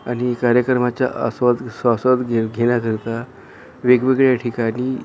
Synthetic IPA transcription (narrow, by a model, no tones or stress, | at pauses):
aɽ̃ikaɾjəkɾəmat͡ɕja̰ʔə̰sʋad̪sasʋad̪ɡɡʱeɽ̃akəɾt̪a | ʋeɡʋeɡɭjaʈʰikaɽ̃i